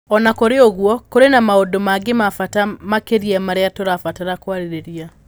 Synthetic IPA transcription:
ɔnakoɾeoɣwɔkoɾenamaodomaɡemafatamakeɾiɛmaɾeatoɾafataɾakwaɾeɾeɾia

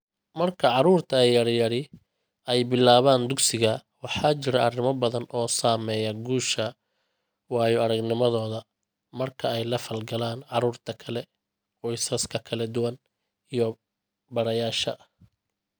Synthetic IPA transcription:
mɐrkʰɐʕɑɾuːrt̪ʰɐɛjɐɾjɐɽɪ | ɛjbɪlːaːβaːnd̪ʊɡsɪɣɐwɑħɑːt͡ʃɪɾɐʔɐrɪmɐbɐðɐnʔɔːsaːmɛːjɐɡuːʃɐ | wɑːjɔɐɽɐɡnɪmɐðɔːðɐ | mɐrkʰɐɛjlɐfɐlɡɐlaːnʕɑɾuːrt̪ʰɐkʰɐlɛ | qɔjsɐskʰɐkʰɐlɐd̪ʊwɐn | ijɔ | bɐɽɐjaːʃɐ̰

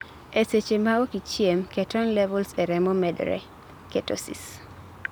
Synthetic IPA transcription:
eset͡ʃemaokit͡ʃjemkɛtɔnlɛvɔlsɛɾɛmɔmɛdɾɛ̰ | ketɔ̰sḭs

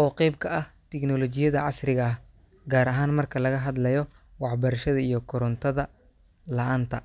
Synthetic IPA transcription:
ʔɔːqɛjb̚kʰɐʔɐht̪ʰɛknɔlɔt͡ʃɪjɐðɐʕɑsrɪɣɐh | ɡaːɾɐɦaːnmɐrkʰɐlɐɣɐɦɐd̪lɐjɔ | wɑħbɐɾɐʃɐðɐijɞkʰʊɾɔnt̪ʰɐðɐ | lɐʔaːnt̪ʰɐ

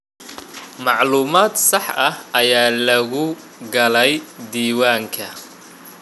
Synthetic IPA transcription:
mɑʕluːmaːd̪sɑħɐhʔɐjaːlɐɣʊ | ɡɐlɛjd̪iːwaːŋkʰɐ

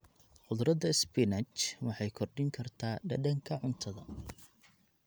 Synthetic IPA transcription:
ħʊðɾɐd̪ɐɪsbɪnɐt͡ʃwɑħɑjkʰɔrɖɪŋkʰɐrt̪ʰaːɖɐ̰ɖɐŋkʰɐʕʊnt̪ʰɐðɐ

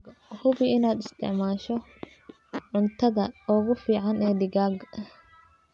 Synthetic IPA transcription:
hʊβɪɪnaːd̪ɪst̪ʰɪʕmaːʃɔ | ʕʊnt̪ʰɐðɐɔːɣʊfiːʕɑnɛːd̪ɪɣaːɡ

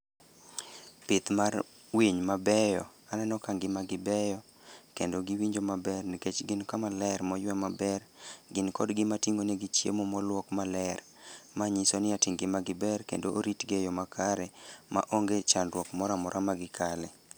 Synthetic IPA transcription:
pɪt̪mar | wiɲmabɛjɔananɔkaŋɡɪmaɡɪbɛjɔ | kendoɡɪwiɲd͡ʒomabɛrniket͡ʃɡɪnkamalɛɾmɔjwɛmabɛrɡɪnkɔdɡɪmatiŋonɛɡɪt͡ʃjḛmomɔlwɔkmalɛr | maɲisonɪatɪŋɡɪmaɡɪbɛrkḛndoʔoɾitɡejɔmakʰaɾɛma̰ʔoŋɡet͡ʃanɾwɔkmɔɾamɔɾʔamaɡɪkʰalɛ

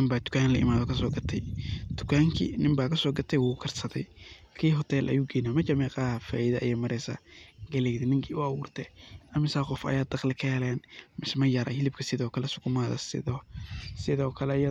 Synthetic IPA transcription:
nɪmbaːd̪ʊ̥kʰaːnlɐʔɪ̰maːðɔkʰɐsɔːɡɐt̪ʰɛ̰jd̪̥ʊkʰaːŋkʰḭːnɪmbaːkʰɐsɔːɡɐt̪ʰɛjwʊkʰɐrsɐðɛ̰j | kʰiːɦɔt̪ʰɛlʔɐ̰juːɡɛjnamɐt͡ʃɐmɛːqʼaːhfa̰ːɪðɐʔːjɛːmɐɾɛjsɐ̰ɡɐlɛjd̪ɛnɪŋkʰiːʊɐwuːrt̪ʰɛʔɐmɪsaːqɔfɐ̰jaːd̪ɐqlɪkʰɛɛlɛːnmɪsmɐjɐɾɐ̰hɪlɪb̚kʰɐsɪðɔːkʰɐlɛsʊ̥kʰʊmaːðɐ̰sɪ̰ðɔsɪðɔːkʰɐlɛjɐ

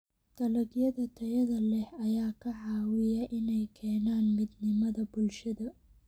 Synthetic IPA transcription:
t̪ʰɐlɐɡjɐðɐt̪ʰɐjɐðɐlɛhɐjaːkʰɐʕɑːwɪjɐʔɪnɛjkʰɛːnaːnmɪd̪nɪmɐðɐbʊlʃɐðɐ

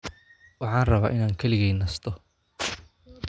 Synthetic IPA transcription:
wɑħɑːnrɐβaːʔɪnaːŋkʰɐlɪɣɛːjnɐst̪ʰɔ

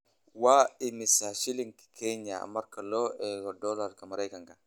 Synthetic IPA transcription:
waːɪmɪsaʃiliŋki̥kʰɛɲa̰mɐɾkɐlɔʔɛlɔdɔlaɾkɐmɐɾajkɐŋkɐ

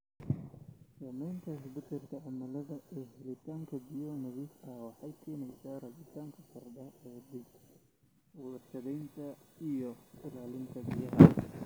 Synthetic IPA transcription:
sɐːmɛjnt̪ʰɐsbʊt̪ʰɛrkʰɐʕɑmɐlɐðɐʔɛːɦɪlɪt̪ʰaːŋkʰɐbɪjɔnɐβɪsɐwɑħɑjkʰɛːnɛjsaːrɐbɪt̪ʰaːŋkʰɐsɐrɖɐɛːd̪ɪɡ | wʊlɐʃɐðɛjnt̪ʰɐijɔɪlaːlɪnt̪ʰɐbɪjɐɦɐ

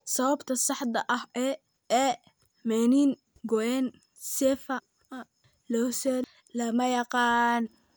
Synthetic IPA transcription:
sɐwɐbt̪ʰɐsɑħd̪ɐʔɐhɛ | ɛː | mɛniːn | ɡɔʔɛːn | sɛːfɐ | ɐ | lɔsɛ | lɐmɐjɑqɑːn

